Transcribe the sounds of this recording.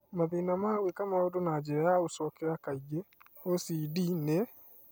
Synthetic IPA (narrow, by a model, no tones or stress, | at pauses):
maðinamawekamaodonad͡ʒeɾajaosɔkɛɾakaiɡeosidine